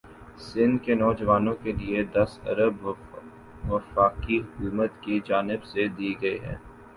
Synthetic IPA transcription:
sɪ̃nd̪kenɔːd͡ʒəʋaːnõkelied̪ɐsɐ̰ɾəb | ʋɐfaːqiɦʊkuːmət̪kid͡ʒaːnɪbsed̪iːɡɐeɦɛ̰̃ː

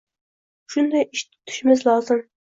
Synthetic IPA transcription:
ʃund̪ɑjiʃt̪ʰʊ̥t̪ʰy̥ʃɪmɪzlˠɑːzɨm

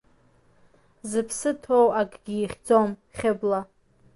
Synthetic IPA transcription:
zɨpʰsɨtʰowakʼɡʲiːχʲd͡zo̞mχʲɪbla

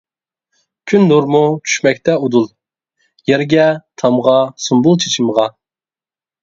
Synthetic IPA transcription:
kʲʰynːuɾmut͡ʃʰy̥ʃmɛk̚ʲt̪ʰɛud̪ulˠ | jɛɾɡʲɛt̪ʰɑmʁɑsumbulˠt͡ʃʰe̥t͡ʃʰiməʁɑ

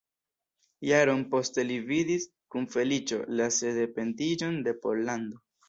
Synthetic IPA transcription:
jaɾo̞npo̞ste̞lividis | kunfe̞lit͡ʃo̞lase̞de̞pe̞ntid͡ʒo̞nde̞po̞lando̞

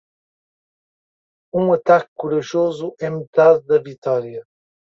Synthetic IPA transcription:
ũɐt̪ak̚kuɾɐʒozuʔɛmɨt̪aððɐvit̪ɔɾiɐ

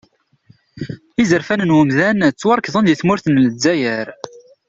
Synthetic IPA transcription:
izəɾfænənwəmðænt͡sːwɑɾˤkðˤənd̪jəθmʊɾθənləd͡zːæjəɾ

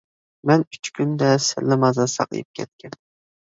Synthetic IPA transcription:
mɛnyt͡ʃkʲʰynd̪ɛsɪ̰lːɪmɑzɑsɑ̰qḭjɨp̚kʲʰɛt̪̚kʲʰɛn

